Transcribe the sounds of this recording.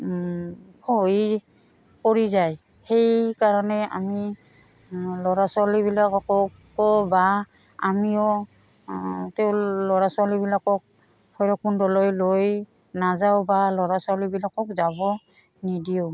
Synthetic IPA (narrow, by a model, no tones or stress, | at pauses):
kʰoj | kɔɹizaj | hejkaɹɔnɛa̰mi | lɔɹasalibilakɔkɔ | ɔba | a̰miɔ | tɛʊlɔɹasalibilakɔk̚ | pʰɔjɹɔkundɔlojloj | nazawbalɔɹasalibilakɔkzabɔ | nidiʊ